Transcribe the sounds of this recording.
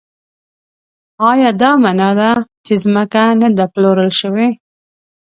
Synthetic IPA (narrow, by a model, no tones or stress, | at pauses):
ɑjɑd̪ɑmanɑd̪at͡ʃezməkanad̪aploɾəlʃəwe